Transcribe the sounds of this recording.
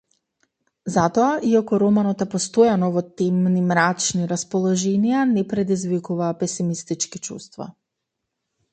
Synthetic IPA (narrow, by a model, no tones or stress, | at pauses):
zat̪ɔaʔiakɔɾɔmanɔt̪ɛpɔst̪ojanɔvɔt̪ɛmnimɾat͡ʃniɾaspɔlˠɔʒɛnijanɛpɾɛd̪izvikuvaːpɛsimist̪it͡ʃkit͡ʃṵst̪va̰